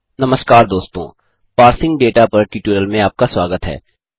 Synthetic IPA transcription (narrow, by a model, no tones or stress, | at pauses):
nɐməskaːɾd̪oːst̪õ̰ː | paːɾsɪ̃ŋɡɖeːʈapɐɾʈiːʈuːɾəlmẽaːp̚kaswaːɡət̪ɦɛ̰ː